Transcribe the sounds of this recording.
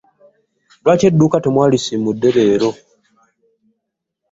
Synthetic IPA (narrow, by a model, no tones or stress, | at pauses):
lwaːcedːuːkatemwaːlisimudːeβeːɾo